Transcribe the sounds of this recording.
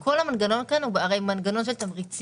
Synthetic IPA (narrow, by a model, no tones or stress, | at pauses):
kolamanɡanonkanabaaɣajmanɡanons̬eltamɣit͡si